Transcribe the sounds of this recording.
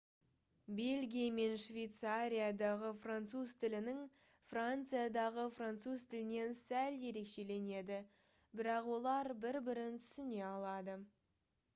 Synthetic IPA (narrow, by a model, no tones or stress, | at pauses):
be̞lʲɡʲijame̞nʃvʲejt̪saɾʲijad̪ɑʁəfrant̪suzt̪ʰɪlɪnɪŋ | frant̪sɨjad̪ɑʁəfrant̪suzt̪ʰɪlɪne̞nsælje̞ɾe̞kʃe̞le̞ne̞d̪ɪ | bɪɾɑqwo̞lˠɑɾbɪɾbɪɾɪnt̪ʰʏ̥sɪne̞ɑlˠɑd̪ə